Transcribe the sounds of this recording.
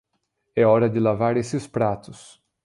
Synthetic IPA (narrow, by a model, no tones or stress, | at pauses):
ɛɔɾɐd͡ʒɪlavaɾesɪspɾat̪ʊs